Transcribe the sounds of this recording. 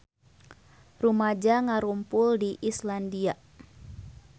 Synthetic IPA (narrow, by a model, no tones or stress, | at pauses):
rumad͡ʒaŋaɾumpʊldiʔislandia